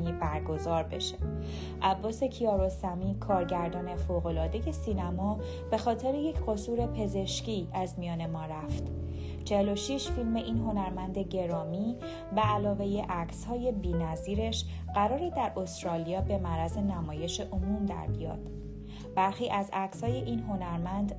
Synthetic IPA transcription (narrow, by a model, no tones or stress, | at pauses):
ibæɾɡo̞zɒːɾbe̞̰ʃe̥ | ʔæbːɒːse̞cʰiɒːɾo̞sæmiːkʰɒːɾɟæɾd̪ɒːne̞foɣo̞lɒːd̪e̞je̞siːnæmɒː | b̥e̞xɒːt̪ʰe̞ɾeje̞cʰɢo̞suːɾe̞pʰe̞ze̞ʃciːæzmijɒːne̞mɒːɾæft̪ | t͡ʃʰe̞helo̞ʃiʃfilme̞ʔiːnɦo̞næɾmænd̪e̞ɟe̞ɾɒːmiː | væːlɒːve̞je̞ʔæcshɒːje̞biːnæziːɾe̞ʃ | ɢæɾɒːɾid̪æɾʔo̞st̪ɾɒːlijɒːbe̞mæɾæze̞næmɒːje̞ʃe̞ʔomumd̪æ̰ɾbḭjɒ̰ːd̪̥ | b̥æɾxiːʔæzækshɒːje̞ʔiːnɦo̞næɾmænd̪